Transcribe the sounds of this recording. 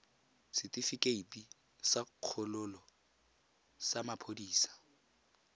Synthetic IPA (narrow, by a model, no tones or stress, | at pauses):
sɪtʼifikʼeitʼi | saq͡χʰʊlʊlɔ | samapʰodiːsḁ